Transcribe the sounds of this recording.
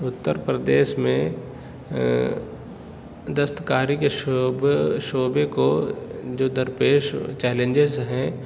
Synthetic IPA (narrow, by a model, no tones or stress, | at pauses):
ʊt̪ːəɾpɾəd̪eːʃmẽ | d̪ɐst̪kaːɾikeʃbʃoːbekod͡ʒoːd̪ɐɾpeːʃt͡ʃɛːlẽɲd͡ʒezɦɛ̃